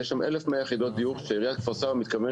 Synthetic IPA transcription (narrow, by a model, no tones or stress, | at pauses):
eʃamʔelefmeajeχid̪ot̪̚d̪ijuχʃeiʁijat̪kfasavemit̪kave